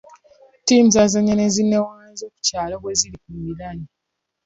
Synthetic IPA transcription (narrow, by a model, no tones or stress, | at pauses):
tiːmuzazaɲanezinːewaezoːku̥caːloβwe̞zilikumilaɲi